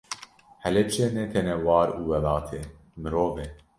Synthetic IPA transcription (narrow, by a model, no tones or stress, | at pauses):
hɛlɛt͡ʃeːnɛt̪ʰɛnɛwɑːɾuːwɛlɑːt̪ʰeː | mɨɾoːveː